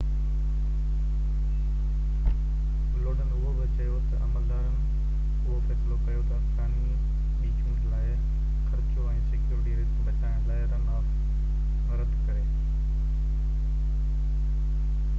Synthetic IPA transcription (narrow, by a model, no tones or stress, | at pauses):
loːɽənɪ̆ʊɦoʋɪt͡ɕɐjot̪ɐʔɐməld̪aːɾənɪ̆ | ʊɦofɛːsɪlokɐjot̪ɐɐfsaːni | ɓiːkʰɪ̃ŋɡlaːɪ | xɐɾɪt͡ɕoɛ̃ːsɪkjuːɾɪʈiɾɪsɓɐʈʰaːɪɽ̃laːɪɾɐnaːf | ɾɐd̪ʱkɐɾeː